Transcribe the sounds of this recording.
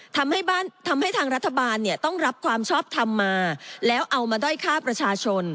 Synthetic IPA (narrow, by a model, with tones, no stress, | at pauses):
t̪ʰa˧mha˥˩jbaː˥˩nt̪ʰa˧mha˥˩jt̪ʰaː˧ŋɾa˦˥t̪ʰːa˧baː˧nːi˥˩ɐt̪ɔ˥˩ŋɾa˦˥p̚kʰwaː˧mt͡ɕʰɔː˥˩p̚t̪ʰa˧mːaː˧lɛː˦˥wʔa˧wmaː˧daː˥˩jkʰaː˥˩pɾa˧t͡ɕʰaː˧t͡ɕʰo˧n